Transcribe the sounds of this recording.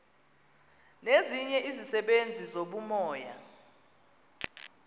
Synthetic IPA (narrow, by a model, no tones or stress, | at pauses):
neziɲɛʔizisɛɓend͡zʱizoɓumɔːja̰